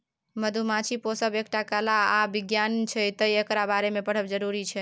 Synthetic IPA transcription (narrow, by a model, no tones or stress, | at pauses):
məd̪ʱumat͡ʃʰiposəbekʈakəlaːbiɡjant͡ʃʰɛt̪əiekɾabaɾemepəɽ̤əbd͡ʒəɾuɾit͡ʃʰɛ